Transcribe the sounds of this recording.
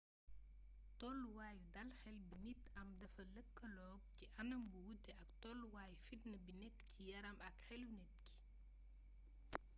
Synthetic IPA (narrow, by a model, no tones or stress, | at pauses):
tɔlwaːjudɐlxɛlbinitɐmdɐfɐləkːɐlɔːɡ̚ciʔɐnɐmbuwudːɛɐktɔlwaːjfidnəbinɛkːcijɐɾɐmɐkxɛlwnɛt̚ki̥